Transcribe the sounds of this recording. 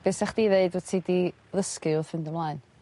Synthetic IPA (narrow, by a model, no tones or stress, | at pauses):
b̥ɨːsɛχd̥iðeɨdwətʰidi | ləskɨʊðhɪndəmlˠaːɨn